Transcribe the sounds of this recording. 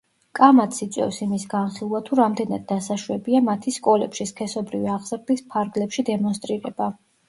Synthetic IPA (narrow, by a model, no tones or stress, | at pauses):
kʼamat̪sit̪sʼwɛ̰fsimisɡanχilˠvat̪ʰuɾamd̪ɛnad̪̚ːasaʃwɛbiamat̪ʰiskʼɔlɛpʃiskʰɛsɔbɾiviaʁz̥ɾd̪ispʰaɾɡlɛpʃid̪ɛmɔnst̪ʼɾiɾɛb̥a